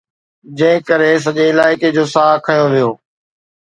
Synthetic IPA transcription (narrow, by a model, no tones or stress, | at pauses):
d͡ʑɐ̃ɦɪ̃kəɾes̬ɐʄeɪlaːɪked͡ʑoːsaːkʰɐjõʋijoː